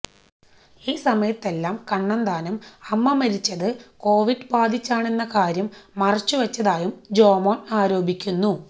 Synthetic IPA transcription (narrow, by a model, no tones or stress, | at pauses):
iːsɐmɐjɐt̪ːe̞lːaːmkɐɳːɐnd̪aːnɐmɐmːɐmɐɾit͡ɕːɐðɨko̞ːʋiɖbaːd̪ʱit͡ɕːaːɳenːɐkaːɾjɐmːɐrɐt͡ɕːuʋɐt͡ɕːɐðaːjumd͡ʑo̞ːmoːnaːɾo̞ːbʱikʲːunːu